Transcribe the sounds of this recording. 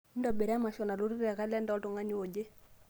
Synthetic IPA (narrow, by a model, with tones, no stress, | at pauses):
ndɔ˨bɛ˨ɾɛ˦a˦ma˨ʃɔ˨na˨lo˦ɾi˦ɾe˦a˨ka˦lɛ˦ndɔ˦tʊ˨ŋa˦ɲ˦o˨d͡ʒe˦